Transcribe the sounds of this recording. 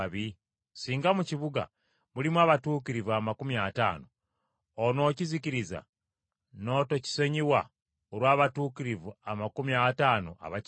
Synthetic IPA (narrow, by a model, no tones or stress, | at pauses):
βi | siːŋɡamuciβuɡa̰ | mulimwaβatuːkiɾivuamakumiata̰ːnoː | no̞ːciziciɾiza̰ | no̞ːtoci̥seɲiwa | oɾwaːβatuːkiɾivuamakumiataːno̰ʔa̰βa